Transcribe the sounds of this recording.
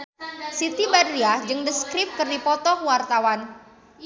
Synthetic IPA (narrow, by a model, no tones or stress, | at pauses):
sit̪ibadɾiad͡ʒɨŋdəskɾɪp̚kɨrdipɔt̪ɔhwart̪awan